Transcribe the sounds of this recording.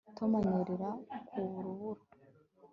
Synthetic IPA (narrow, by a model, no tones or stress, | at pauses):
tʰomaniɾiɾakʰuβuɾuβuɾo